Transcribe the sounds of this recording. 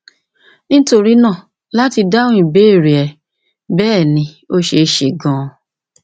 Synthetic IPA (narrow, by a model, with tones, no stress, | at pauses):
nĩ˦to˧ɾi˦nãː˦˨ | la˦ti˧da˦ũ˦i˦˨be˨˦˨ɾe˨ɛ˨ | bɛː˦˨nĩ˧ | o˦ʃe˧ʃe˨ɡã˨˧